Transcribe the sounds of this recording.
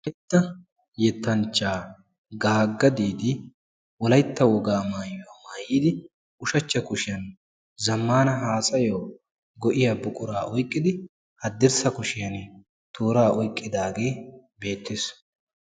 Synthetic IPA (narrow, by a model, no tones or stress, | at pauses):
wlɐjt̪ːɐ | jɛt̪ːɐnt͡ʃːaː | ɡaːɡːɐd̪iːd̪ɪ | wɔlɐjt̪ːɐwɔɡaːmaːjwɐmaːjiːd̪ɪ | ʊʃɐt͡ʃːɐkʊʃɪjɐn | zɐmːaːnɐɦaːsʼɐjoː | ɡɔʔɪjabʊkʼʊɾaːʔɔjkʼːɪd̪ɪ | hɐd̪ːɪɾsɐkʊʃɪjɐn | t̪ʰuːɾaːʔɔjkʼːɪd̪aːɡe̞ː | be̞ːt̪ːes